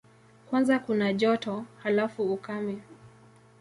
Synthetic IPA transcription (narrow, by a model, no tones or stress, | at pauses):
kwanzakunaʄɔtɔhalafuukamɛ